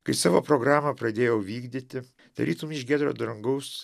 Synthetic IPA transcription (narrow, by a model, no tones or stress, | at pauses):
kɐɪsɑːʋo̰ːpɾoɡɾɑːmɐpɾɐd̪ʲeːjɛʊʋʲiːɡd̪ʲɪt̪ʲɪ | d̪̥ɐ̰ɾʲiːt̪umʲɪʃʲɡʲæːd̪ɾo̰ːd̪ɾɐŋɡɐʊs